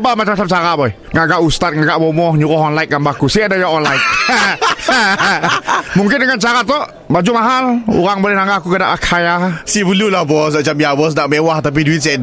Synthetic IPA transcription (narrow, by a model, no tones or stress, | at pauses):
bamat͡ʃamat͡ʃamt͡ʃaɾabɔi | ŋaɡaʔust̪at̪̚ŋaɡaʔbɔmɔhɲuɾɔɦɔnlaik̪̚ɡambakusɪadajaɔnlaɪt̪̚ | muŋkɪndəŋant͡ʃaɾat̪ɔ | bad͡ʒumaɦalṵɾaŋbolɛhnaŋɡaakukəda̰ʔakʰajasibəlulabɔs̬at͡ʃamjabɔs̬naʔmewaht̪ap̬iduit̪̚si